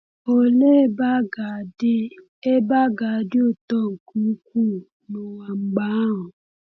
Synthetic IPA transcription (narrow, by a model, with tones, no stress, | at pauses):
o˧le˦ba˦ɡa˨de˦ | e˦ba˦ɡa˨˦de˦o˦˨tɔ˦˨ŋ̩˨ku˨˦k̚u˦˨ | nũ˦a˧ŋ͡m̩˦ɡ͡ba˨˦ɔ̃˨